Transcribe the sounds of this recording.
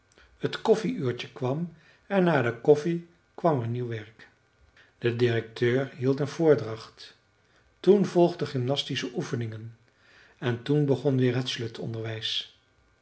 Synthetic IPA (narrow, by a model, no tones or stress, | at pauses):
hətkɔfiyːɹt͡ʃəkʋɑm | ɛnːaːdəkɔfi | kʋɑməɹniwʋɛɹk | d̥ədɪrɛk̚tʰøːɹɦilˠtənvʊːɹdrɑχt | tunvɔlˠχdəχɪmnɑstisəʔufənɪŋən | ɛntunbəχɔnʋɪːɹɦətsløtʰɔ̰ndəɹʋɛjs